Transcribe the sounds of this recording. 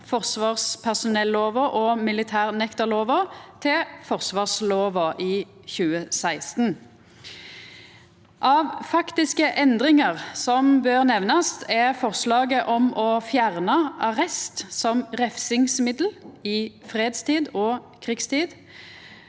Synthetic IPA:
fɔʁsʋɑːʁspʰæʁsʊnɛlːoːʋəʔɔmɪlɪt̪ʰæːʁnɛkt̪əʁloːʋət̪ʰɪfɔʁsʋɑːʁsloːʋəʔiː | çʉːəsæɪst̪n | ʔɑːʋfɑkt̪ɪskəʔɛnd̪ʁɪŋəʁsɔmbøːʁnɛʋnɑst̪ʰɛfɔʁslɑːɡəʔɔmɔfjæʁnɑɑʁɛst̪sɔmʁɛfsɪŋsmɪd̪l̩ɪfʁeːd̪st̪ʰiːd̪ɔːkʰʁɪkst̪ʰiːd̪

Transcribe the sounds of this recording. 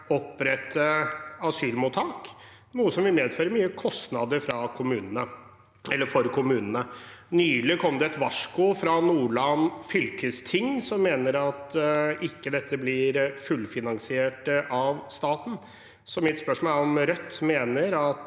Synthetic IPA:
ɔpːɾɛt̪ʰːəɑsyːlmuːt̪ʰɑːk | nuːəsɔmʋɪlmeːd̪føːɾəɾmyːəkʰɔst̪nɑd̪əɾfɾɑkʰʊmʉːnənə | ɛlːəɾfɔɾkʰʊmʉːnənənyːlɪkʰɔmːəd̪ɛɛt̪ʋɑʂkʊfɾɑnuːɭɑnfʏlkəst̪ʰɪŋːsɔmːeːnəɾɑt̪ɪkːəd̪ɛt̪ʰːəblɪɾfʉlfɪnɑŋsɪeːʈəʔɑʋst̪ɑːt̪n̩ | sɔmɪt̪spœʂmɑːlɔmɾœt̪ːmeːnəɾɑt̪

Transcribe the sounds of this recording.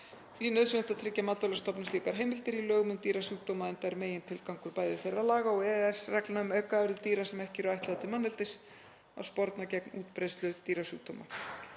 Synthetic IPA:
θvinœðsʏnɛht̪at̪ʰɾɪcːamat̪ːɔlast̪ɔpnɪsliːkaɾ̥ɦeːjmɪlt̪ɪɾilœːɣmʏmt̪iːɾasuːk̚t̪oːwmaðɛnt̪aɾmeːjɪnt̪ʰɪlkawŋkʏɾpaːjðɪθejralaːɣaɔɣɛɛsrɛklnaʏmœkavʏɾɪðt̪iːɾasɛmɛhcɪɾʏajht̪lat̪ɪmanːɛlt̪ɪs | a̰wspɔɾt̪nacɛknuːt̪pɾejst̪lʏt̪iːɾasuːk̚t̪o̰wma̰

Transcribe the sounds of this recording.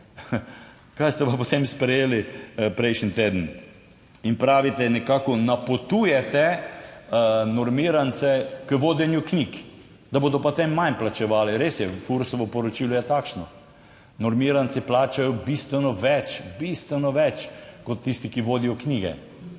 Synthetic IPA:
kajst̪ɛʋapot̪emspɾɛjeːlipɾɛjʃnit̪eːd̪ən̩ | inpɾaːʋit̪ɛnɛkaːkɔnapot̪ujɛt̪ɛ | nɔɾmiːɾant̪sɛkəʋoːd̪ɛnjuknik | d̪aboːd̪ɔpat̪emːanplat͡ʃɛʋaːliɾesjɛfuɾsɔʋɔpɔɾɔt͡ʃiːlɔjɛt̪aːkʃnɔ | nɔɾmiɾansiplaːt͡ʃajɔbist̪ʋɛnɔʋɛt͡ʃbist̪ʋɛnɔʋɛt͡ʃkɔt̪ːist̪ikiʋoːd̪ijɔkniːɡɛ̰

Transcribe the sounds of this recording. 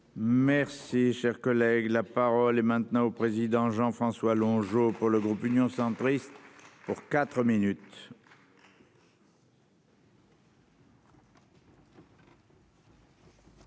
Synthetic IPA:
mɛʁsiʃɛʁkɔlɛɡlapaʁɔlɛmɛ̃t̪nɑ̃opχezid̪ɑ̃ʒɑ̃fχɑ̃swalɔ̃ʒopuʁləɡʁupynjɔ̃sɑ̃t̪χist̪puʁkat̪χəminyt̪

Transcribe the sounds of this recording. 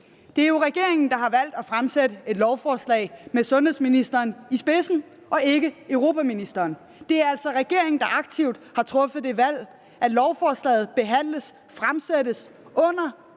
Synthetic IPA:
d̥e̝æɐjo̝ʁɛɡ̥e̝ɐ̰eŋn̩d̥ɑ̈ɦɑ̈ʋæl̰d̥æfʁamsedəe̝d̥lɒʊfɒːslɛ̰ːɪmesɔ̽nheð̰ˠsminisd̥ɐːnisb̥e̝sn̩ | ʔɒ̽e̝ɡ̥əøʊʁo̝pʰæminisd̥ɐːn | d̥e̝æɐæl̰sɒ̽ʁɛɡ̥e̝ɐe̝ŋn̩d̥ɑ̈ʔɑ̈ɡ̥̚t͡sʰiʊ̰d̥hɑ̈t͡sʰʁɔ̽fəð̩ˠd̥e̝ʋæl̰ | ʔæd̥lɒʊfɒːslɛ̰ːð̩ˠb̥e̝ɦæn̰ləs | fʁamsedəsʔɔ̽n̰ɐ

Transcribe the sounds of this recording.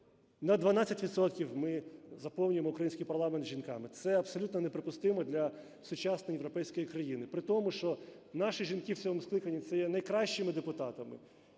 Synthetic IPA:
nɐd̪ʋɐnat͡sʲːɐtʲʋʲid̪sɔt̪kʲiwmɪzɐpɔwnʲʊjemɔʊkɾɐjinʲsʲkɪjpɐrlˠɑment̪ʒʲinkɑmɪt̪sɛɐpsɔlʲut̪nɔnepɾɪpʊst̪ɪmɔd̪lʲɐ | sʊt͡ʃɑsnɔjeʋɾɔpɛjsʲkɔjikɾɐjinɪpɾɪt̪ɔmʊʃt͡ʃɔ | nɑʃiʒʲinkɪwsʲɔɦɔmʊsklˠɪkɐnʲːit̪sɛjɛnɐjkɾɑʃt͡ʃɪmɪd̪epʊt̪ɑt̪ɐmɪ̰

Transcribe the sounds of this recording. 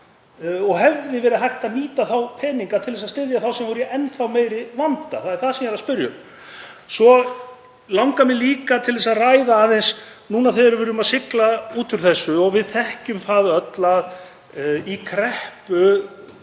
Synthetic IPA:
ɔɣɦɛvðɪvɛːɾɪɦajht̪aðniːt̪aθawpʰɛːniŋkat̪ʰɪlðɛsast̪ɪðjaθawsɛmvɔɾʏjɛʔɛnːθawmeːjɾɪvant̪a̰θaðɛɾ̥θaðsɛmjɛɾaspʏɾjʏ̰m | svɔ | lawŋkamɛliːkat̪ʰɪlðɛsaðrajðaːðɛjnsnuːnaðθeðɾvɪɾʏmaðsɪklauːt̪ʏɾ̥θɛsːʏɔɣvɪðθɛhcʏmθaːðœt̪lað | ikʰɾɛhpʏ

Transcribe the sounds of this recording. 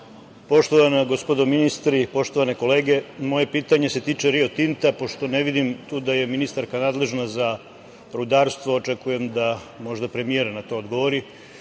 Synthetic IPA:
po̞ʃt̪o̞ʋanaɡo̞spo̞d̪ominist̪ɾipo̞ʃt̪o̞ʋane̞ko̞le̞ːɡe̞mo̞je̞piːt̪aɲe̞se̞t̪iːt͡ʃeɾio̞t̪int̪apo̞ʃt̪o̞neʋid̪imt̪uːd̪aje̞minist̪aɾkanaːd̪le̞ʒnaza | ɾud̪aɾst̪ʋoot͡ʃe̞kuje̞md̪a | mo̞ʒd̪apɾe̞mije̞ɾnat̪o̞ːd̪ɡo̞ʋoɾi

